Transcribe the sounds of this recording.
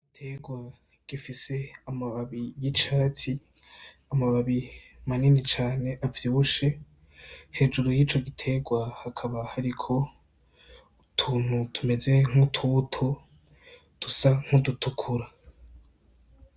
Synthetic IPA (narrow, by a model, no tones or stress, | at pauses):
itʰe̞ɡwa | ɡ̥ifise̞amaβaβijit͡ʃaːtʰi | amaβaβimaninit͡ʃaːne̞ʔavjiβuʃe̞ | he̞ːd͡ʒuɾujiːt͡ʃo̞ɡitʰe̞ɡwahakʰaβahaɾikʰo̞ | tʰuːn̥hutʰume̞ze̞ŋ̥utʰutʰo | d̥usaŋ̥hudutʰukʰuɾa